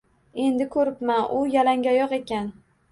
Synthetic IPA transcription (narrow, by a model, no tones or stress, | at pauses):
e̞nd̪ɪkʰɵɾɪpmanʔʊjalaŋɡʲajɒqe̞kʲan